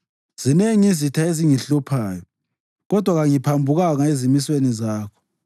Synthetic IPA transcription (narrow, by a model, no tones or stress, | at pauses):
z̥ineŋizitʰaeziŋiɬupʰaːjɔ | ɣɔd̥ʱwaɣaŋipʰambʱuɣaŋaezimiswenizaːkʰɔ̥